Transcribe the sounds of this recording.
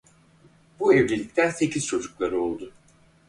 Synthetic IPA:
buevlʲilʲic̚t̪ʰænse̞cʰiz̥t͡ʃʰo̞d͡ʒuklˠaɾɯo̞lˠd̪ʊ

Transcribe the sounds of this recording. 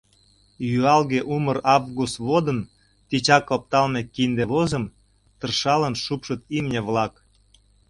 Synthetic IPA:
jyɑlɣeʔumərɑvɣust̪βod̪ə̆n | t̪it͡ɕɑkop̚t̪ɑlmekind̪eβozəm | t̪ərʃɑlənʃupʃə̆t̪̚imnʲeβlɑk

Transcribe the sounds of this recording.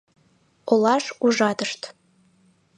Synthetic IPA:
olˠɑʃuʒɑt̪əʃt̪

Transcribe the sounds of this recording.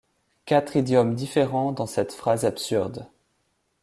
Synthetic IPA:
kat̪χid̪jɔmd̪ifeʁɑ̃d̪ɑ̃sɛt̪fχazabsyʁd̪

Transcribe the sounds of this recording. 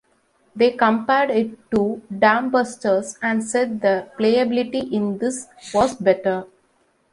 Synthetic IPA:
d̪eːkə̃mpaɪɖɪʈːuɖæ̃mbəsʈəɾsæ̃ɳɖseɖ̚d̪əpleːəbɪlɪʈiʔɪ̃nd̪ɪsʋɔːzbɛʈəɾ

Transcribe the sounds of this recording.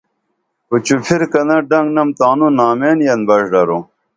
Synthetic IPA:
put͡ɕupʰiɾkɐnɐɖɐŋɡnɐmt̪aːnunaːmeːnjɐnbɐʂɖɐɾo

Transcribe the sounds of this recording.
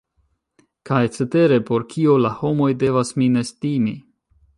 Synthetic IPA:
kajt͡sete̞ɾe̞po̞ɾkʰio̞laho̞mo̞jde̞vasmine̞stimi

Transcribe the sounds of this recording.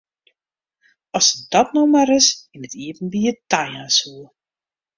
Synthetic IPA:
ɔsədɔtnowmaɾɪsɪnətiəvənbiətajãnsuə

